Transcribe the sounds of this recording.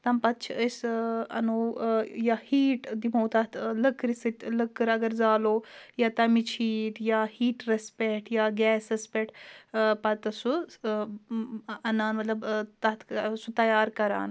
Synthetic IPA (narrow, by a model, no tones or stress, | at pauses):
t̪ɐmpɐt̪̚t͡ʃʰiəsɐ̰noːjahiːʈd̪imoːt̪at̪ʰləkɾisɨt̪ʲləkːɨɾɐɡɐɾzaːloːjaːt̪ɐmit͡ʃʰiːʈ̪jaːhiːʈɾɐspeʈjaɡɛːsɐspeʈpɐt̪ɐsu | ɐnaːnmɐt̪lɐbt̪ɐt̪sut̪ɐjaːɾkɐɾa̰ːn